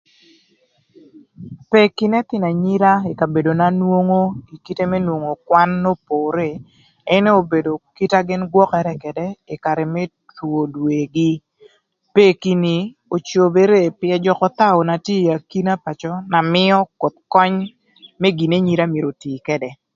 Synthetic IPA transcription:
pe˦ki˦nɛ˦t̪ɪ˦na˨ɲi˦ɾa˦e˨ka˨be˨do˨na˦nwo˦ŋo˦i˨ki˦te˦mɛ˦nwo˨ŋo˨kwa˦nːo˦poː˨ɾe˦˨ | ɛ˦ne˦o˨be˨do˨ki˦ta˦ɡɪ˦nɡwɔ˦kɛ˨ɾɛ˦kɛ˨dɛ˦ɪ˨ka˨ɾɛ˨mɛ˦ | two˨dwe˨ɡi˦ | pe˦ki˦ni˨ | o˨t͡ʃo˨be˦ɾe˦˨pjɛ˦d͡ʒɔ˦kɔ˦t̪a˦o˨na˨tje˦˨ja˨ki˦na˦pa˨t͡ʃɔ˦na˨mɪ˦ɔ˦ko˨t̪̚kɔ˦ɲ | mɛ˦ɡi˨ne˦ɲi˦ɾa˦mje˨ɾo˨tiː˨kɛ˦dɛ˨

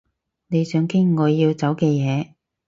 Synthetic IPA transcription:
ne˨˧jsœː˨˧ŋkɪ˥ŋːɔː˨˧jiː˧wt͡sɐ˨˥wkɛː˧jɛː˨˧

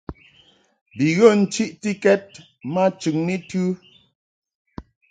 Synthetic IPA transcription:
bi˨ɣo˦˨n̩˦t͡ʃi˦ʔti˦kɛ˦t̚ | ma˦t͡ʃʉ˨ŋni˦tʉ˦

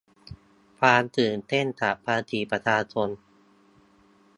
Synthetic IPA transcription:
kʰaː˧nt̪ɯː˨˩nt̪e˥˩nt̪ʰa˨˩pʰaː˧t̪ʰiː˧˩pɾa˧t͡ɕʰaː˧t͡ɕʰo˧n

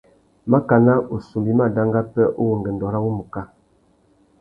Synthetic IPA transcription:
ma˦ka˨na˦ʔo˨su˨mbi˦ma˦da˦ŋ˦ɡa˦pɛ˦ʔo˦wo˨ŋɡə˨n˨dɔ˨ɾa˦wu˦mu˨ka˦

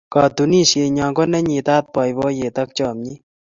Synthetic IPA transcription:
kɑ˨d̪u˨ni˦se˧ɲa˨ŋko˦nɛ˦ɲi˨t̪a˦t̪̚pɔ˨jbɔ˦je˨t̪ɐ˦k̚t͡ʃɔ˨mɲi˦

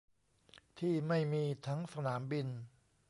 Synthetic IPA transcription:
t̪ʰiː˥˩ma˥˩jmiː˧t̪ʰa˦˥ŋsa˧naː˩˦mbi˧n

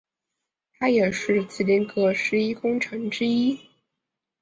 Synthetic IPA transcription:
t̪ʰa˥jɛ˨˩ʂɻ̩˥˩t͡sɹ̩˥˩li˧˥nkɤ˧˥ʂɻ̩˧˥i˥kʊ˥ŋʈ͡ʂʰɤ˧˥ŋʈ͡ʂɻ̩˥i˥

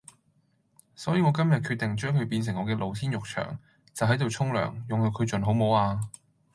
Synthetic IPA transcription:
sɔː˨˥jiː˨˧ŋɔː˨˧˥kɐ˥mjɐ˨t̚kʰyː˧t̪̚ɪ˨ŋt͡ʃœː˥ŋkʰɵ˨˧ɥpiː˧ns̬ɪ˨˩ŋɔː˨˧kɛː˧lʔo˨wt̪ʰiː˥njʊ˨k̚t͡ʃʰœ̰ː˨˩ŋ | t͡sɐ˨wɦɐ˨˥jt̪o˨wt͡sʰʊ˥ŋlœ̰ː˨˩ŋjʊ˨ŋt̪o˧wkʰɵ˨˧ɥt͡ʃɵ˨nɦo˨˥wmo˨˥waː˧

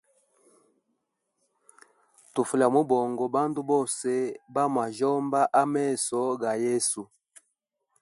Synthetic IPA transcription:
tu˨fu˨la˨mo˦bɔ˨ŋɡɔ˨ba˦ndu˦bɔ˦˨se˦ba˦ma˨ʒɔ˦mba˦ʔa˦mɛ˦˨sɔ˨˦ɡa˨je˦su˨

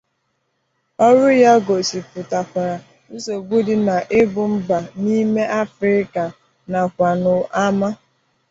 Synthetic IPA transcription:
ɔ˦ɾʊ˦ja˦ɡo˨si˨pʊ˨ta˨kʷa˨ɾa˨ | ʊ˦so˨ɡʷu˦di˨na˨ʔɪ˦bʊ˨m̩˦ba˨ni˦me˦ʔa˦fɾɪ˦ka˨ | na˨kʷa˨nʊ˨a˦ma˦

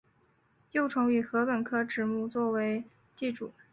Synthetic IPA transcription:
jo˥˩ʊʈ͡ʂʰʊ˧˥ŋy˨˩xɤ˧˥pə˨˩nkʰɤ˥ʈ͡ʂɻ̩˨˩mu˥˧t͡swɔ˥˩we˧˥ɪ | t͡ɕi˥˩ʈ͡ʂṵ˨˩˦

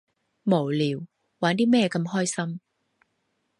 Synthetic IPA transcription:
mo˨˩wliː˨˩w | waː˨˥nt̪iː˥mɛː˥kɐ˧mhɔː˥jsɐ˥m

